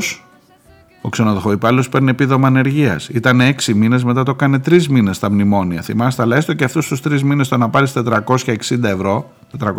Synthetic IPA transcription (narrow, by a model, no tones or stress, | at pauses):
s | o̞kse̞noðoxo̞ipɐlo̞spe̞ɾneepiðo̞mɐːne̞ɾʝiɐ̰sit̪ɐnee̞ksimine̞zme̞t̪ɐt̪o̞kɐne̞t̪ɾizmine̞st̪ɐmnimo̞niɐθimɐst̪ɐlɐest̪o̞ceɐft̪ust̪ust̪ɾizmine̞st̪o̞nɐpɐɾist̪e̞t̪ɾɐko̞sçɐeksind̪ɐe̞vɾo̞ | t̪et̪ɾɐk